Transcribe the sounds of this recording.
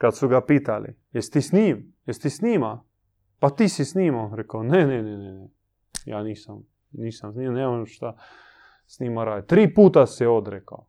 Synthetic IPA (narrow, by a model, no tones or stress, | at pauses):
kat̪suɡapiːt̪alḭ | jɛst̪isniːm | jɛst̪isniːma | pat̪isisniːmanɾɛkanenɛnɛnɛnɛ | ja̰ːniːsam | niːsamsniːmaneemʃt̪a | sniːmaɾaːj̪t̪ɾiːpuːt̪asɛod̪ɾeka̰w